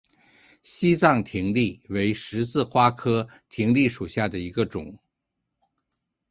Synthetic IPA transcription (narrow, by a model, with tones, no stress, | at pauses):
ɕi˥t͡sɑ˥˩ŋt̪ʰi˧˥ŋli˥˩we˧˥ɪʂɻ̩˧˥sɹ̩˥˩xwa˥kʰɤ˥ | t̪ʰi˧˥ŋli˥˩ʂu˨˩ɕja˥˩d̪ə˩i˧˥ɡə˧ʈ͡ʂʊ̰˨˩˦ŋ